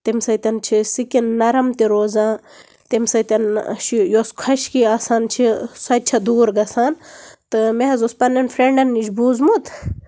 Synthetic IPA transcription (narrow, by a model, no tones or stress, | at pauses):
t̪emsɐt̪ɐnt͡ʃʰisikinːɐɾɐmt̪iɾoːzãː | t̪emsɐt̪ɐnʃjoːskʰɐʃkiaːsaːnt͡ʃʰisɐd̪̚t͡ʃʰɐd̪uːɾɡɐsaːnt̪ɨmeɦɐzospɐnːɐnfɾeɳɖɐnːit͡ʃbuːzmut̪ʰ